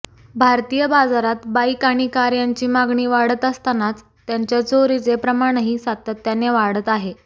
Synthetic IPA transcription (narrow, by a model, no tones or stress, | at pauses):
bʱaɾt̪iːjəbad͡zaɾat̪baikaɽ̃ikaɾjaɲt͡ɕiːmaɡɳiːʋaɽət̪əst̪anat͡s | t̪ːjaɲt͡ɕjat͡soɾid͡zepɾəmaɽ̃əɦisat̪ət̪ːjaneʋaɽ̤ət̪aɦe